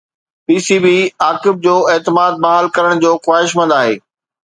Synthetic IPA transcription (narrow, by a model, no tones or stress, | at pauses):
piːsiːbiːaːkɪb̚d͡ʑoːeːt̪ɪmaːd̪̚baːɦalkɐɾəɽ̃d͡ʑoːxwaːɦɪʃ̬mɐ̃nd̪aːɦḛː